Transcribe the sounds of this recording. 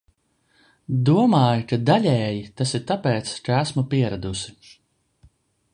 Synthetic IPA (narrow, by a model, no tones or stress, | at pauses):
d̪uɔmaːjkad̪aʎʲɛːjit̪asiɾt̪apɛːt̪skaæsmupiɛɾad̪usi